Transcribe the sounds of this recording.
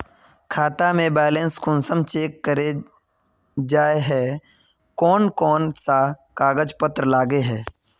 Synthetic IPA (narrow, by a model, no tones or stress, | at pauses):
kʰaːt̪amẽbɛːlẽːnskʰʊnsəmt͡ʃeːkːəɾe | d͡ʒaːeɦɛː | kɔːnkɔːnsakaːɡəd͡ʒpət̪ɾlaːɡeɦɛː